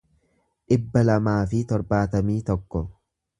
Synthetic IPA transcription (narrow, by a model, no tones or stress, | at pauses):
ᶑɪbːɐlɐmaːfɪt̪ɔɾbaːt̪ɐmiːt̪ɔkːɔ